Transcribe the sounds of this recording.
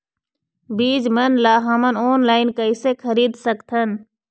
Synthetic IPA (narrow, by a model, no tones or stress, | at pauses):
biːd͡ʒmənlaːɦəmənoːnlaːɪnkəisekʰəɾiːd̪səkt̪ʰən